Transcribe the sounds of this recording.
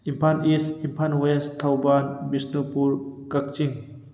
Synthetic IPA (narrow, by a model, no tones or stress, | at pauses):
impʰanisimpʰanwest̪ʰawbanmisnupuɾkɐk̚t͡ʃiŋ